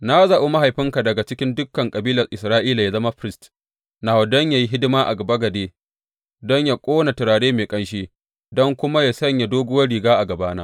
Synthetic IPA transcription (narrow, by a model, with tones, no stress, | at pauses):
na˦za˨ʔo˦ma˦ɦa˨jɸɪ˦ŋka˨dɐ˨ɡa˨t͡ʃɪ˦kʲɪ˦ndʊ˦kːɐ˨ŋkʼɐ˨biː˦lɐ˨rʔɪ˨sɾaː˦ʔiː˦la˨ja˨zɐ˦ma˦ɸɪ˦ɾɪ˦st | naː˨wɐ˨dɔ˦ɲja˨ji˦ɦɪ˦dɪ˦maː˦ʔa̰˨ɡɐ˨ba˦ɡɐ˨deː˦ | dɔ˦ɲja˨kʷʼoː˦na˨tɪ˨ɾaː˨ɽeː˦meː˨kʼɐ˦nʃeː˦ | dɔ˦ŋkʷʊ˦ma˦ja˨sɐ˦ɲja˨doː˦ɡʊ˦wɐ˦ɽi˨ɡaː˦ʔa˨ɡɐ˨baː˦naː˦